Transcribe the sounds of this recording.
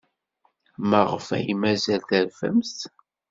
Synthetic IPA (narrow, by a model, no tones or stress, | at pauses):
məʁəfæ̰jimæzælθəɾvə̰msθ